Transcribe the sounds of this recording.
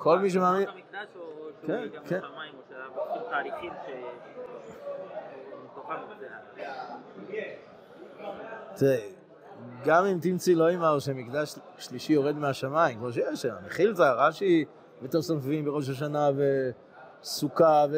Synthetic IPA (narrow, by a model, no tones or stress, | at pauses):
kʰo̞lmiʃ̬emamikdakenkeaimoʃaut̪aːliχimʃe | t̪oχazea | t̪iʁe | ɡamimt̪imt͡siloimaʁʃemikd̪aʃ | ʃliʃijo̞ʁed̪meaʃamaimkmoʃ̬ejeʃaa̰meχiltaʁaʃi | bet̪oʁsamfvimbeʁoʃ̬aʃ̬anave | sukave